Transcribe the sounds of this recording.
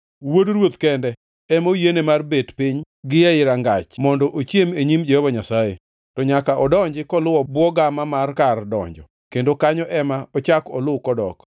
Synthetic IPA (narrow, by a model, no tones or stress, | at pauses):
wodɾwot̪kɛndɛ | ɛmojenemarbedpɪɲ | ɡɪɛɪɾaŋɡat͡ʃmɔndɔʔot͡ʃjemeɲimd͡ʒɛhɔbaɲasajḛ | tɔɲakaʔɔdɔɲd͡ʒɪkɔlʊwɔbwɔɡamamarkardɔ̰ɲd͡ʒɔ | kendokaɲɔʔɛmaɔt͡ʃakɔlʊwkɔdɔ̰k